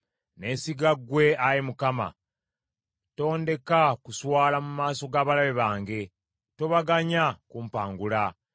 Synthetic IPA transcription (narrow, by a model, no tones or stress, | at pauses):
ne̞ːsiɡaɡwe̞ajemukama̰ | to̞ːnde̞kakuswaːlamumaːso̞ɡaːβalaβeβaːŋɡe̞ | to̞βaɡaɲakuːmpaːŋɡula